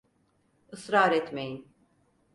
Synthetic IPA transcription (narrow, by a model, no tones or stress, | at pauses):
ɯsɾaɾɛt̪me̞jin